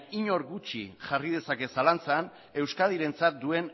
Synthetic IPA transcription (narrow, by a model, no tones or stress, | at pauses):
iɲo̞ɾɣut͡ʃḭʝarið̞e̞sake̞salant͡san | e̞wskaðiɾe̞nt͡sat̪̚d̪ue̞n